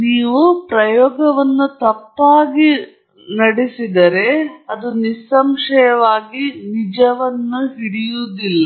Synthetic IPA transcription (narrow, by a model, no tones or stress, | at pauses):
niːʋupɾɐjɔːɡɐʋɐnːut̪ɐpːaːɡi | nɐɽisid̪ɐɾe̞ɐd̪unisɐmʂɐjɐʋaːɡinid͡ʒɐʋɐnːuɦiɽijuːd̪ilːɐ